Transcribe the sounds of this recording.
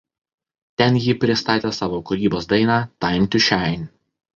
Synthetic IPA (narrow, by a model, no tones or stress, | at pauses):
t̪ʲɛnjiːpʲɾʲɪst̪ɑːt̪ʲeːsɑːʋoːkʊɾʲiːboːs̬d̪ɐɪnɑːt̪ɑɪmʲt̪ʲɪʃʲæˑɪnʲ